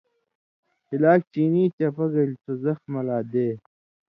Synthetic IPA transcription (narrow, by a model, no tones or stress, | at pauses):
hilaːk̚t͡ɕiːniːt͡ɕɐpɐɡɐlt͡sozɐxmɐlaːd̪eː